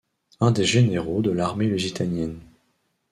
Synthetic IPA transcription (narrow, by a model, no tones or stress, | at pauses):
ɛ̃d̪eʒeneʁod̪əlaʁmelyzit̪anjɛn